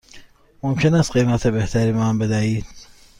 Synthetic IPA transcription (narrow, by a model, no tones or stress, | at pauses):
momkʰenæst̪̚qejmæt̪ʰebeht̪ʰæɾimɑmbed̪æiːd̪